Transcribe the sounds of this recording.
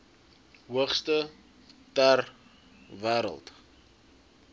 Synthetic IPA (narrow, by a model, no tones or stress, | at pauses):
ɦuəχstə | tær | væːɾə̰lˠt